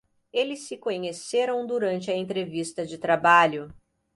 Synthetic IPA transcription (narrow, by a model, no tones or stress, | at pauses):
elɪsːɪkõɲeseɾɐ̃w̃d̪uɾɐ̃nt͡ʃɪɐẽnt̪ɾevist̪ɐd͡ʒɪt̪ɾabaʎʊ